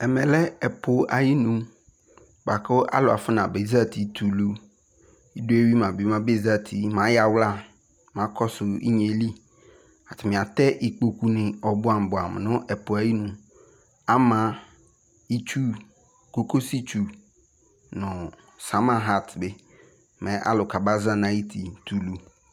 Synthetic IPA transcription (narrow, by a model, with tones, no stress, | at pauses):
ɛ˨mɛ̃˨lɛ˦ɛ˨pʰo˨a̰˨ji˦nũ˦ | ba˨kʰʊ˦a̰˦lʊ˨a̰˨fʊ˦nã˨be˨˦za˦˨tʰi˨tʰu˨lu˦ | i˦do˦e˦ɥi˦mã˨bi˨˦mã˦be˦˨za˦tʰi˨mã˨˦ja˨wla˦˨ | mã˨˦kʰɔ˦sʊ˨ḭ˦ɲe˨li˦ | a˨tʰɪ˨mɪ̃˨a˨tɛ˦ʔi˨k͡po˨ku˦nɪ̃˨ɔ˨bʊ˦a˨m˨bʊ˨a˨m˨nʊ̃˦ʔɛ˨pʊ˨a˨˦ji˦nũ˨ | a˦mã˨ | i˦t͡ʃu˦ | ko˦ko˦si˦t͡ʃu˦ | nʊ̃˨ | sa˨˦mã˦ɦa˦˨tbɪ˦ | mɛ˨ʔa̰˦lʊ˨ka˨ba˦za˦nã˦i˦tʰi˨tʰu˨lu˦